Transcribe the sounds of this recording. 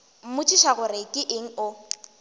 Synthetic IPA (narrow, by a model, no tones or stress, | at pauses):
m̩mʊt͡ʃʰʼiʃaɣʊɾɪkʼɪʔɪŋ̩ʊ